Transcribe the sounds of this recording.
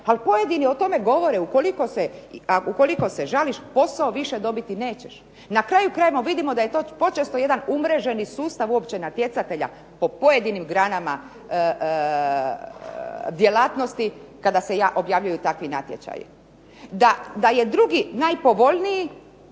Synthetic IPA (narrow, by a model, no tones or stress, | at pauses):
alpo̞je̞d̪inio̞t̪o̞me̞ɡo̞ʋo̞ɾeuko̞liko̞seaukoliko̞seʒaliʃpo̞saoʋiʃed̪o̞bit̪ine̞ːt͡ɕeʃ | nakɾaːjukɾaːjemoʋid̪imo̞d̪aje̞t̪o̞ːpo̞t͡ʃest̪o̞je̞d̪anumɾeʒe̞nisuːst̪aʋuo̞pt͡ɕenat̪je̞t̪sat̪e̞ʎa̰ | po̞po̞je̞d̪inimɡɾaːnama | d̪je̞laːt̪no̞st̪ikad̪ase̞jaːʔo̞bjaːʋʎujut̪akʋina̰t̪jḛt͡ʃa̰j̰ | d̪ad̪ajed̪ɾuɡinajpo̞ʋo̞ʎniji